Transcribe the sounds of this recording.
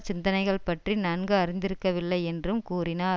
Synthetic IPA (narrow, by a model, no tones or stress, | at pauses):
t͡ʃɪnd̪ɐnɐɪɣɐɭpɐʈrinɐnɡɯɐɾɪnd̪ɪɾɯkːɐʋɪlːɐɪɛndrɯmkuːrɪnaː